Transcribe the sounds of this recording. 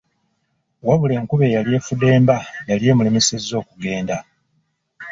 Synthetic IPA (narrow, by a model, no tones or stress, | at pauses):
waβule̞ːŋkuβe̞jalje̞fude̞ːmbajalje̞ːmulemesezːo̞ːkuɡe̞ːnda